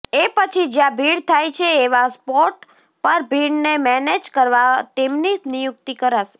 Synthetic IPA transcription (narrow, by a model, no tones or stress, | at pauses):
epət͡ʃʰid͡ʒjãbʱiɽt̪ʰajt͡ʃʰeːʋaspɔʈ | pəɾbʱiɽnemɛned͡ʒkəɾʋat̪emninijʊk̚t̪ikəɾaʃ